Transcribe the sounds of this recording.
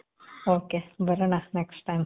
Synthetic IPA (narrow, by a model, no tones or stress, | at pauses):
okebəɾənanɛksʈãjm